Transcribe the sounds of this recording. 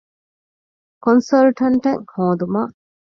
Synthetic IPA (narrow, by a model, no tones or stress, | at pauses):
konsɐlʈɐɳʈɐŋhõːd̪umaː